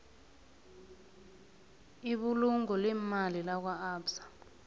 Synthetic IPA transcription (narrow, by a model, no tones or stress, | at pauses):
iɓuluŋɔlɛmalilak̬waaːbsḁ